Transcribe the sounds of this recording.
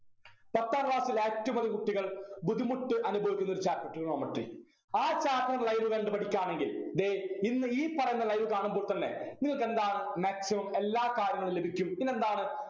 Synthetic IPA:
pɐt̪ːaːɾʋaːsileːtːɐmɐðikuʈːiɣɐɭbud̪ʱimuʈːɨʔɐnubʱɐʋikʲːunːɐoɾut͡ɕaːkːɐʈːuɣɐɳoːmɐʈrḭ | aːt͡ɕaːkːɐnlɐjʋɨɣeːɳɖɨpɐʈʰikʲːaːɳeŋɡild̪einːɨiːpɐrɐjunːɐlɐjʋɨkaːɳumbo̞ːɭt̪ɐnːḛniŋɐɭke̞nd̪aːɳɨmaːksimɐme̞lːaːkaːɾjɐŋːɐɭɨlebʱikʲːumpine̞nd̪aːɳɨ

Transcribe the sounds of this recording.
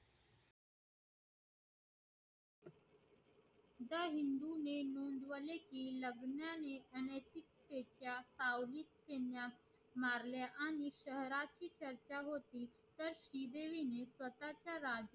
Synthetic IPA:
d̪əɦind̪unenund̪ʋəlekiləɡnjaneənet̪ikt̪et͡ɕjasawlik̚kenja | maɾljaʔaɽ̃iɕəɦɾat͡ɕiːt͡ɕəɾt͡ɕaɦot̪iː | t̪əɾɕid̪eʋinesʋət̪at͡ɕjaɾad͡ʑ

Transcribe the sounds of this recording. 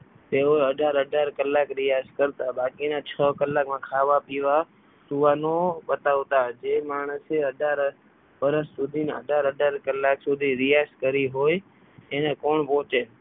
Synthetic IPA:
t̪eoeəɖʱaɾəɖʱaɾkəlːakɾijaskəɾt̪abakinat͡ʃʰəkəlːakmãkʰaʋapiʋa | suʋanoɓət̪aʋt̪ad͡ʒemaɳ̃əseəɖʱaɾ | ʋəɾəsːud̪ʱinə̰ɖʱaɾəɖʱaɾkəlːaksud̪ʱiɾijaskəɾiɦoj | enekoɳpɔ̃t͡ʃe

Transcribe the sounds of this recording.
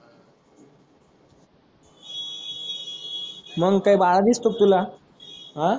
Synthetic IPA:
məɡkaibaɭad̪ist̪ok̚t̪ula | ɦã

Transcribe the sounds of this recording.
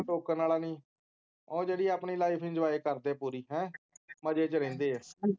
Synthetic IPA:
ʈoːkəɾnaːlaːnĩː | õːd͡ʒeːɽiːaːpniːlaːiɪpʰɪ̃nd͡ʒʋaːeːkəɾd̪eːpuːɾiːɦɛ̃ːməd͡ʒeːt͡ʃəɾẽːnd̪eːɛː

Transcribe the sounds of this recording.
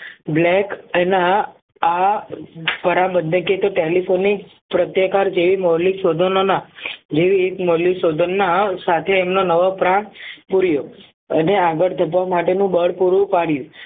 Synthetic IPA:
blɛkenaː | pəɾãbənd̪ə̃ket̪oʈelifʰonik | pɾət̪jəkaɾd͡ʒeʋimɔɦlisod̪ʱənonad͡ʒeʋiekmolisod̪ʱənːasat̪ʰeːmnonəʋopɾãpuɾjo | əneaɡəɽd̪ʱəpʋamaʈenũbəɽpuɾũpaɽjũ

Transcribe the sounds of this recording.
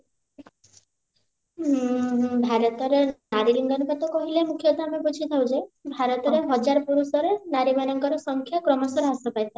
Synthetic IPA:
bʱaɾɔt̪ɔɾenaɾiliŋɡɔnpat̪ɔkɔɦilemukʰjɔt̪ɔamebud͡ʒʰʱit̪ʰawd͡ʒabʱaɾɔt̪ɔɾeɦɔd͡ʒaɾɔpuɾusɔɾenaɾibanɔŋkɔɾɔsɔŋkʰjakɾɔmɔsɔɾeɦasɔpajt̪ʰa

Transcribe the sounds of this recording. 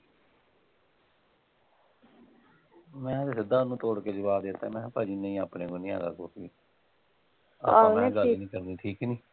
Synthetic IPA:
mɛ̃ːt̪eːsɪd̪aːnũːt̪oːɽkeːd͡ʒəbaːd̪et̪eːmɛ̃ːpaːd͡ʒiːnəĩːaːpneːkõːnĩːɛ̰ːd̪a̰ːko̰ːkḭː | a̰ːãeɡəlːnĩːkəɾniːʈʰiːknĩː

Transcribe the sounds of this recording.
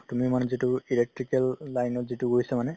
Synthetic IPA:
tumimanɛzituilek̚ʈɹikɛlːajnɔtzituɡoisamanɛ

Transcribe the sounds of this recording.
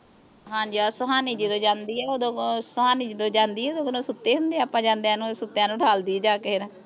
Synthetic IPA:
ɦãːɲd͡ʒiasʊɦaːniːd͡ʒiːd̪õːd͡ʒãːnd̪iːɛːoːd̪õːsoɦaːniːd͡ʒiːd̪õːd͡ʒãːnd̪iːɛoːd̪õːkənõːsʊt̪ːeːɦʊnd̪eːaːpːãːd͡ʒãːnd̪eãːnũːsʊt̪ːjãːnũːɖʰʱaːld̪iːd͡ʒaːkeɾ

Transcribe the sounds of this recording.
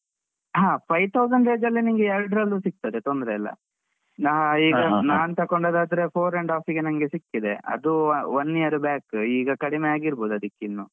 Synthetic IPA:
ɦaːpʰɐjt̪ʰɐwzɐɳɖe̞ːd͡ʒɐlːiniŋɡeɛɾɖɾɐlːusik̚t̪ɐd̪et̪ond̪ɾeɐlːɐ̰ | naːɦiːɡɐnaːɐnt̪ɐkoɳɖoːd̪aːd̪ɐɾe̞pʰoːɾeɳɖaːfiɡenɐŋɐɡesikːid̪e̞ɐ̰d̪uʋɐnːijɐɾubjaːkiːɡɐkɐɽimejaːɡiɾbo̞ːd̪uɐd̪ikːeinːu

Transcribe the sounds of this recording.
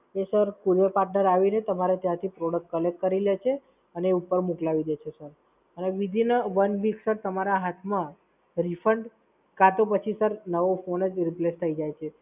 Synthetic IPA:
esəɾkuɾjəpaɾʈnəɾaʋinet̪əmaɾet̪jãt̪ʰipɾoɽək̚ʈkəlek̚kəɾilet͡ʃʰe | əneeupəɾmuklaʋid̪et͡ʃʰesəɾ | əneʋid̪ʱinəʋənbiksəɾt̪əmaɾaɦat̪ʰmã | ɾifʰəɳɖ | kat̪õpət͡ʃʰisəɾnəʋofonəd͡ʒɾiplest̪ʰəid͡ʒajt͡ʃʰe

